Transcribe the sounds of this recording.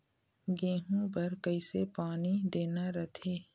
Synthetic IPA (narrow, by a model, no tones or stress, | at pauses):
ɡẽːɦũpɐɾkəɪsepaːnid̪eːnaɾət̪ʰeː